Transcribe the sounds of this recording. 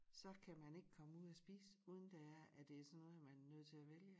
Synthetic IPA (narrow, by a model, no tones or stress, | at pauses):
sɒ̽kʰæmæne̝ɡ̥əkʰɒ̽məuð̰ˠæsb̥ḭːsuð̞ˠn̩d̥ææɐæd̥e̝æɐsɒ̽nːɔ̽ːð̩ˠɐmænnøð̞̰ˠt͡sʰe̝læʋeljə